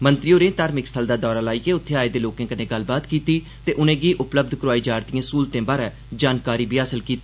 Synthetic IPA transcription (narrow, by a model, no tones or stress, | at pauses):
mənt̪ɾijoːɾẽːt̪aːɾmɪkst̪ʰəld̪aːd̪ɔːɾaːlaːiːkeːʊt̪ʰːeːaːeːd̪eːloːkẽːkənẽːɡəlbaːt̪kiːt̪iː | t̪eːʔʊnẽːɡiːʔʊpləb̚d̪ʱkɾʊaːiːd͡ʒaːɾt̪ijãːsuːlt̪ẽːbaːɾɛː | d͡ʒaːnkaːɾiːbʱiːaːsəlkiːt̪i